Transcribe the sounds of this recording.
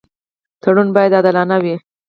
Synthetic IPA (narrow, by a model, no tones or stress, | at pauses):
t̪ʰaɽunbɑjad̪ad̪alɑnawi